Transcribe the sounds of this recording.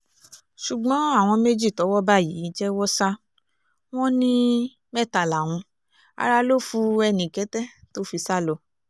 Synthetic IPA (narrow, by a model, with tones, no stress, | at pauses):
ʃu˨ɡ͡bɔ̃˨˦a˦˨w̃ɔ̃˧me˦d͡ʒi˦˨tɔ˨˦wɔ˦ba˦˨ji˨˦d͡ʒɛ˦wɔ˦sa˦ | w̃ɔ̃˦nĩ˦ | mɛ˦˨ta˨la˨w̃ũ˧ | a̰˧ɾa˧lo˦˨fu˧ɛ˧nĩ˨kɛ˨˦tɛ˦to˦fi˧sa˦˨lɔ˧˨